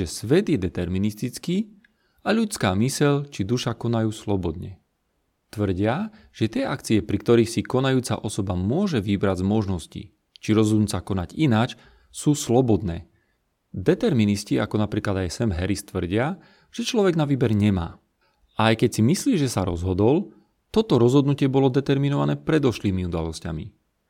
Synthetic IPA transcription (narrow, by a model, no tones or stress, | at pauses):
ɛsʋɛd̪jɛd̪ɛt̪ɛɾminist̪it͡skiː | aʎut͡skaːmisɛʎt͡ʃid̪uʃakɔnajuːslɔbɔd̪ɲɛ̰ | t̪ʋr̩ɟɪa | ʒ̥ɛt̪ɪɛʔakt͡siɛpɾik̚t̪ɔɾiːxsikɔnajuːt͡sa̰ʔɔsɔbamʊɔʒɛʋibɾaɟzmɔʒnɔscḭ | t͡ʃiɾɔzɦɔd̪nut͡sakɔnaɟinaːt͡ʃ | suːslɔbɔd̪nɛ̰ː | d̪ɛt̪ɛɾminisciakɔnapɾiːklad̪ajsɛmɦɛɾist̪ʋr̩ɟɪa | ʒ̥ɛt͡ʃlɔʋɛɡnaʋiːbɛɾɲɛma̰ː | ajkɛcsimisliːʒɛsaɾɔ̰zɦɔd̪ɔl | t̪ɔt̪ɔɾɔzɦɔd̪nucɪɛbɔlɔd̪ɛt̪ɛɾminɔʋanɛːpɾɛd̪ɔʃliːmiud̪alɔscamḭ